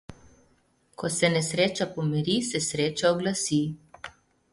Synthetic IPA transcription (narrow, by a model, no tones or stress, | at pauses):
kɔsɛnɛsɾeːt͡ʃapɔmɛɾisɛsɾeːt͡ʃaɔɡlasi